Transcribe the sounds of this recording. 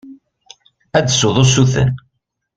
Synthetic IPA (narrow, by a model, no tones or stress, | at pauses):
æd̪soðˤosuθə̰n